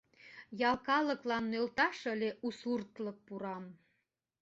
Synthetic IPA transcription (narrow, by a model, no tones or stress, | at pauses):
jɑlkɑlə̆klɑnːølt̪ɑʃə̆lʲeʔusurt̪lək̚puɾɑm